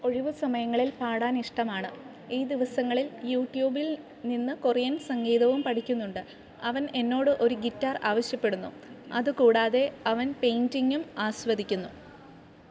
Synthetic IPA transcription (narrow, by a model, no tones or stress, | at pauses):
o̞ɻiʋɨsɐmɐjɐŋːɐɭilpaːɽaːniʂʈɐmaːɳɨ | iːd̪iʋɐsɐŋːɐɭiljuːʈːjuːbil | ninːɨkurijɐnsɐŋɡeːðɐʋumpɐʈʰikʲːunːuɳɖɨ | ɐʋɐne̞nːo̞ːɽɨʔo̞ɾuɡitːaːraːʋɐɕjɐpːe̞ɽunːṵ | ɐðɨkuːɽaːðe̞ɐʋɐnpejndiŋɡumaːɕʋɐd̪ikʲːunːu